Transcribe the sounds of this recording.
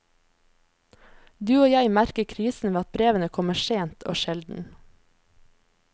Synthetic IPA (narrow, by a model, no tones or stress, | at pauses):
d̪ʉːoːjæɪmæɾkəkʰɾiːsn̩ʋeːɑt̪̚bɾeːʋənəkʰɔməʃeːnt̪ʰo̰ːʃɛld̪n̩